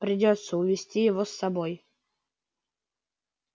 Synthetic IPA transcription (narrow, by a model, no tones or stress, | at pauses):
pɾʲɪdʲot̪sːəʊvʲɪsʲtʲijɪvosːɐboj